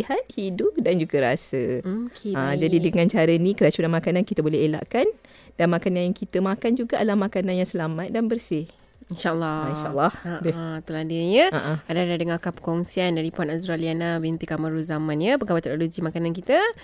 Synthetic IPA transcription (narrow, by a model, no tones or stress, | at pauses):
ihat̪̚hiduʔdand͡ʒuɡaɾasəkad͡ʒadidəŋãnt͡ʃaɾənĩkəɾat͡ʃunamakanankit̪əbolɛɦela̰ʔkan | danmakanaaŋkit̪əmakand͡ʒuɡaalahmakananjaŋsəlamat̪̚danbərsɪh | inʃalːɔiʃaʔlːahbt̪uladəɲəaʔaadadadəŋakapə̥kɔŋsiandaɾipanazuɾalianabint̪ikamaɾuzamãnɲəpəkabat̪ɛk̚nolod͡ʒimakanankit̪ə